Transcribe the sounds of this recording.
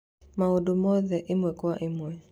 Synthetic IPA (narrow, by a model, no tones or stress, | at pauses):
maodomɔðɛʔɪmwɛkwwaʔɪmwɛ